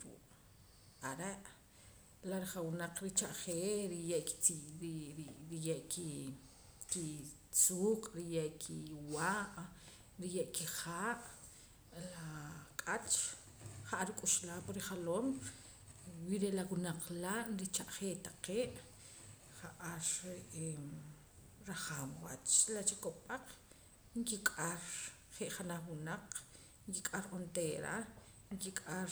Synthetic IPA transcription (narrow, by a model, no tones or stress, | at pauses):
ɾṵːʔ | aɾeʔ | laɾiχawunaq͡χɾit͡ʃaʔχeːɾijeʔki̥iɾiɾijeʔki | ki | t͡suːqʼɾijeʔkʰiwaʔ | ɾijeʔkiχaːʔ | lakʼat͡ʃ | χaʔaɾikʼuʃlaːpaɾiχaloːm | wiɾeʔlawunaq͡χlaʔnɾit͡ʃaʔχeːt̪ḁqeːʔ | χaʔaɾeʔ | ɾaχaːmwat͡ʃlat͡ʃikopʼaq͡χ | ŋkikʼaɾ | χeʔχanaχwunaq͡χ | ŋkikʼaɾʔont̪eːɾa̰ | ŋkikʼaɾ